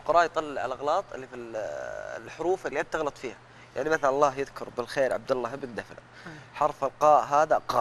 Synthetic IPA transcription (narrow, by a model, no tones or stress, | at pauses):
lqʊɾˤɑːʔjt̪ˤɑlːɪʕalʔaɣlɑːt̪ˤɪ̰lːifil̰ | lħʊɾuːfɪlːiʔat̪ːɑɣlɑt̪ˤfiːha | jaʕnimaθalɑlˤːɑːɦjɪðkʊɾˤbɪlxeːɾʕa̰b̚d̪alˤːaɦɪbnd̪afla | ħɑɾˤfalqɑːʔɦaːðaqɑ̰ː